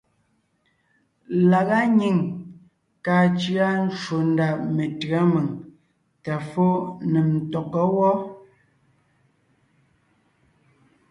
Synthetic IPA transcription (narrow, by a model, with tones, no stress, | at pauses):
la˨ɣa˦ɲi˨ŋ | kaː˨t͡ʃi˦a˦n̩˦ʃo˨n̩˦da˨me˨tɰa˦mə˨ŋ | ta˨fo˦nɛ˨m̩˨tɔ˨k̚ə˦wɔ˦